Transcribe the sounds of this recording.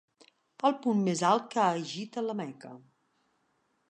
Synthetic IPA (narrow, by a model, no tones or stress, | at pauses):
pəlˠpummezalˠkaʒit̪ələmɛkə̰